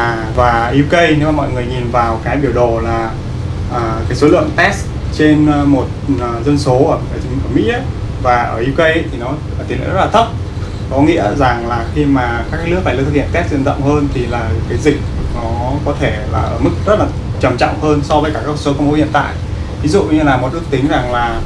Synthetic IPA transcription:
vaː˨˩ʔi˧wkə˧jne˧˦maː˨˩mɔ̰˧˨jŋɨ˨˩əjɲi˨˩nvaː˨˩wkaː˨˦jɓi˧˩əwɗo˨˩laː˨˩ | ʔəː˨˩kaː˨˦jso˨˦lɨ̰˧˨əŋt̪ɛ˦˥s | t͡ɕe˧n˧mo˨˩t̚ːzə˧nso˨˦ʔəː˧˩kaː˨˦jʔəː˧˩mḭ˧˥ə˦ | vaː˨˩ʔəː˧˩ʔi˧wkə˧jt̪ʰi˨˩nɔː˨˦˨t̪lḭ˧˨zlaː˨˩˦k͡p̚ | kɔ˨˦ŋḭ˧˥əza˨˩ŋlaː˨˩xi˧maː˨˩kaː˦˥k̚ːlɨ˦˥ək̚fa˧˩˨t̪ʰhʰi˧˨ə˨nt̪ɛ˦˥t̚zɨ̰˧ə˨nzə̰˧˨wŋ͡mhəː˧nt̪ʰi˨˩laː˨˩kaː˨˦jzï˨˩k̚nɔ˨˦kɔ˨˦t̪ʰe˧˩la̰ː˨˩ʔəː˧˩mɨ˦˥k̚zə˦˥t̚laː˨˩ | t͡ɕə˨˩mt͡ɕɔ̰˧˨wŋ͡mhəː˧nsɔ˧vəː˨˦kaː˧˩kaː˦˥kə˧so˨˦kə˧wŋ͡mho˨˦ḭ˧ənt̪a̰ː˧˨j | vi˨˦zṵ˧˨ɲɲɨ˧laː˨˩mo˨˩lɨ˦˥k̚t̪ï˨˦ŋ̟za˨˩ŋlaː˨˩

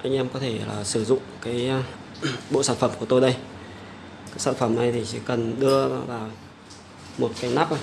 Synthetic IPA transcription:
ʔa˧jŋ̟ʔɛ˧mkɔ˨˦t̪ʰe˧˩laː˨˩sɨ˧˩zʊ̰˧˨ŋ͡mkaː˨˦j | ɓo̰˧˨saː˧˩nfə˧˩mku˧˩ət̪o˧jɗə˧j | kaː˨˦jsaː˧˩nfə˧˩mna˨˩jt̪ʰi˨˩t͡ɕḭ˧˩kə˨˩nɗɨ˧ə˨vaː˨˩w | mo˨˩t̚kaː˨˦jnaː˦˥p̚ʔa˨˩

